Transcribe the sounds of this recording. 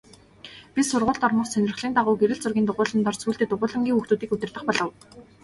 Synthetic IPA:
pisʊrʁʊːɮt̪ɔrmə̆χsænʲɪ̆rχɮiːnaʁʊːɡeɾɘ̆ɮt͡sʊrɣʲiːnʊʁʊːɮə̆nt̪ɔrt͡sʰuːɮt̪ĕt̪ʊʁʊːɮə̆ŋɡʲiːŋɵxt̪uːt̪iːkɵt̪ɘ̆rɮə̆χpɔɮɞ̆w

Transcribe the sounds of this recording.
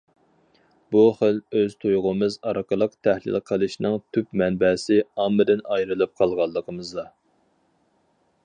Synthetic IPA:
b̥uχəløz̥t̪ʰujʁʊmɨzɑɾəqʰəlˠəqt̪ʰæhlɪ̰lqʰəlˠɨʃnɨŋt̪ʰypmɛnbɛːsɪɑmːɨd̪ɪnɑjɾɨlˠɨp̚qʰɑlˠʁɑlˠːəqʰəmɨzd̪ɑ

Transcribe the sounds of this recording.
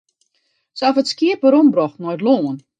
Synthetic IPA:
sɛlˠfətskiəpəɾombrɔxtnojtloːən

